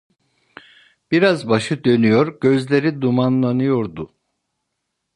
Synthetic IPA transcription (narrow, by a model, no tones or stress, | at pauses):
b̥iɾazbaʃɯd̪ø̞nyjoɾɟøzlʲe̞ɾid̪umanlˠanɯjo̞ɾd̪u